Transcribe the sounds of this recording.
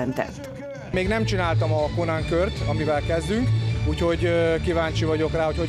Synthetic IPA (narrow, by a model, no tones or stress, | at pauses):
ɛnt̪ɛ̰t̪ː | meːɡnɛmt͡ʃinaːlt̪ɒmɒkonaŋkørt̪ɒmivɛlkɛzd̪yŋkuːcho̞ɟkivaːɲt͡ʃivɒɟo̞kraːho̞cho